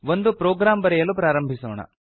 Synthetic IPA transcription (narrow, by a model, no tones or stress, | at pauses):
ʋond̪upɾɔːɡɾaːmbɐɾɛjɐlːupɾaːɾɐmbʱisɔːɳɐ̰